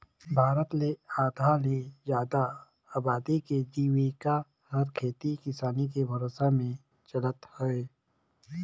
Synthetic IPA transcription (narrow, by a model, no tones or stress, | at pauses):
bʱaːɾət̪leaːd̪ʱalezjaːd̪a | aːbaːd̪iked͡ʒiːwika | hɐɾkʰeːt̪ikɪsaːnikebʱɐɾoːsamẽ | t͡ʃɐlət̪hɛe